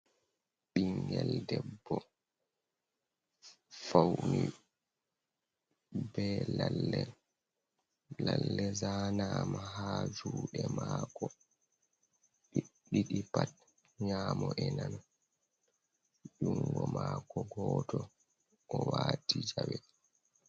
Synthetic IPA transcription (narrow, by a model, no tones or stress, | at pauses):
ɓiŋɡɛldɛbːɔ | fawni | bɛlalːɛ | lalːɛzaːnaːmahaːd͡ʒuːɗɛmaːkɔ | ɓiɗiɗipat̚ | ɲaːmɔʔɛnan | ɗuŋɡɔmakɔɡɔːtʰɔ | ɔwaːtid͡ʒawɛ